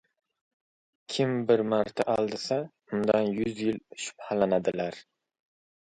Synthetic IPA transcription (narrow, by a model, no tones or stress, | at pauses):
kʲʰɪmbɪɾmaɾt̪ʰaʔalˠd̪ɪsa | ʊnd̪anjʊzjɪlʃʊ̥phalanad̪ɪlaɾ